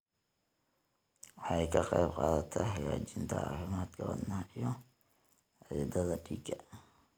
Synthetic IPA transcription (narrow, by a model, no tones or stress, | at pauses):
wɑħɑjkʰɐqɑjbqɑːðɐt̪ʰɐħɑjaːt͡ʃɪnt̪ʰɐ̰ɑ̰ːfɪmaːd̪kʰɐwɐ̰d̪nɐhʔijɔ | ʕd̪ɐðɐɖiːɡʰɐ